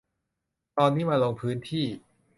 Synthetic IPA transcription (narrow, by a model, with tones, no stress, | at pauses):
t̪ɔː˧nːiː˦˥maː˧lo˧ŋpʰɯː˦˥nt̪ʰiː˥˩